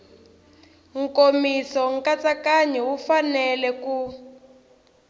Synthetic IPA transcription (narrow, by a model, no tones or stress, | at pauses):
ŋ̩komisɔŋ̩kat͡sakaɲɛwufanɛlɛku